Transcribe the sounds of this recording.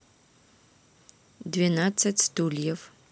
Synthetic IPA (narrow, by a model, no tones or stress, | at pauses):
dvinat͡sːɐtʲstuljɛv